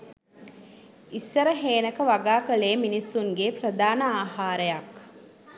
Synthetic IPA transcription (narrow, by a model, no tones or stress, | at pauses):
isːəɾəɦeːnəkəʋaɡaːkəleːminisːuŋɡeprəd̪aːnəaːɦaːɾəjak